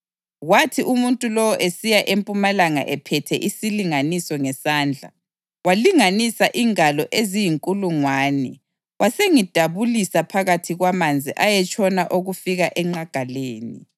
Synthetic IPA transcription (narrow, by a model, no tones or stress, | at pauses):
ɣwatʰiʔumuntʼulɔwɔʔesijaʔempʼumalaŋa̰ʔɛpʰɛtʰɛʔisiliŋanisɔŋɛsaːnd͡ɮʱa̰ | waliŋanisaʔiŋalɔʔezijiŋkʼuluŋwaːnɛ | wʔaseŋid̥ʱaβulisapʰaɣatʰiɣwamand͡zʱiʔajɛt͡ʃʰʼɔnaʔoɣufiɣaʔɛŋ͡ǃaɡ̥ʱaleːni